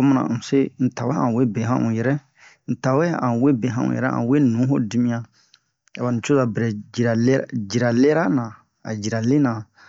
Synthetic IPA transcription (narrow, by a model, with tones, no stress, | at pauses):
o˦mã˦nã̰˨se˦n̩˨ta˨wɛ˦ã̰˨we˦be˨ɦã̰˦ʔũ˨jɛ˨ɾɛ˦ | n̩˨ta˨wɛ˦ã̰˨we˦bẽ˨ɦã˦ṵ̃˨jɛ̰˨ɾɛ̰˦ã̰˨we˦nũ˨˦ɦo̰˦di˦mĩ˦ã˨ | a˨wa˨nĩ˨t͡ʃo˦za˨bɾɛ˨d͡ʒi˨ɾa˨ld͡ʒi˨ɾa˨le˦ɾa˦nã˨ | a̰˨d͡ʒi˨ɾa˨le˦nã˨